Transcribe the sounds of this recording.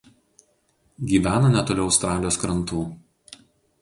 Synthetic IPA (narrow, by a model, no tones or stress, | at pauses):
ɡʲiːʋʲæːnɐnʲɛt̪oːlʲɛʊɐʊst̪ɾɑːlʲjoːskɾɐnˑt̪uː